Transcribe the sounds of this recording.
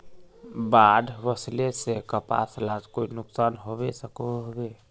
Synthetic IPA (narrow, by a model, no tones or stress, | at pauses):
bad̪ʱbəslesekəpa̰slad͡ʒkoinʊksanɦobesəkoɦobe